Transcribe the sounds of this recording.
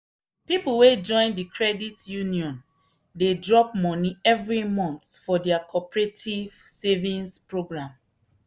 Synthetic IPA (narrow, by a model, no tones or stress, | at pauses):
pipulwed͡ʒɔ̃ɪ̃ndikʰɹɛditjuniɔ̃n | dedɹɔp̚mɔniɛvɹimɔ̃ntfɔdɛakʰɔpɹetʰivsevĩnspɹoɡɹãm